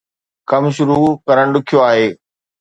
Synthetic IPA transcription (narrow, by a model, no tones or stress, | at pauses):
kɐmʃ̬ʊɾukɐɾəɽ̃ɗʊkʰijoaːɦeː